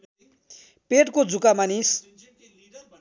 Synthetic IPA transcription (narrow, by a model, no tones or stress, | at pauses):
peʈkod͡zʱukamanis